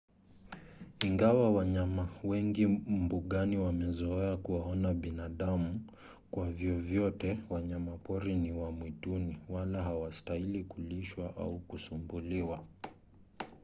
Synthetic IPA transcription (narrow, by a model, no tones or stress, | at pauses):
iŋɡawawaɲamawɛŋɡim̩buɠaniwamɛzɔɛakuwaɔnaɓinaɗamu | kwavjɔvjɔtɛwaɲamapɔɾiniwamwituniwalaɦawastailikuliʃwaʔa̰ukusumbuliwa